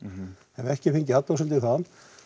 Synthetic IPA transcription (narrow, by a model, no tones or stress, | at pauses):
ɛnɛhcɪfejɲc̬ɪat̪owsɛmt̪ɪθan